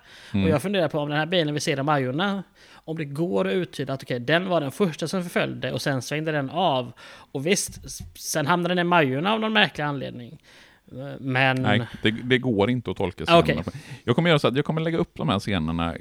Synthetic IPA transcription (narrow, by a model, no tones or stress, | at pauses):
ɔjɑːɡfɵnd̪eːɾadpʰɔːmd̪ɛnhæːɾbiːlənvɪseːɾɔmːajʊɳa | ɔmd̪ɛɡoːɾɔʉ̟ːt̪ʰːyːd̪at̪ɔkʰɛjd̪ɛnvaɖɛnfœʂʈasɔmfœɾfœ̰ljd̪əʔɔsɛnsvɛŋd̪əd̪ɛnɑvɔvɪst̪sɛnɦamnad̪ɛnɪmajʊɳaːvnɔnmæɾklɪɡanlḛːd̪nɪŋ | mɛnd̪̥ɛd̪ɛɡoːɾɪnt̪əɔt̪ʰɔlkasaɔkɛfjɑːɡkʰɔmːəɾjœːɾasɔːat̪̬jɑːɡkʰɔmːəɭɛɡːaɵpːd̪ɔmhæːɾseːnəɳa̰